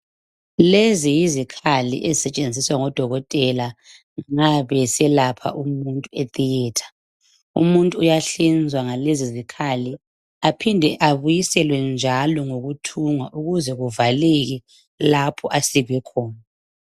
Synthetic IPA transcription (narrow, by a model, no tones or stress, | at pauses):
lezijizikʰalḭʔezisɛt͡ʃʼend͡zʱiswaŋɔd̥ʱɔɣɔtʼɛla | ŋaβɛsɛlapʰa̰ʔumuntʼuetʼiɛːtʰḁ | ṵmuntʼuːjaɬind͡zʱwaŋalezizikʰali | apʰindʱɛʔaβujisɛlwɛnd͡ʒʱalɔŋoɣutʰuŋwaʔuɣuzɛɣuvaleɣi | lapʰɔʔasiɣwɛkʰɔːna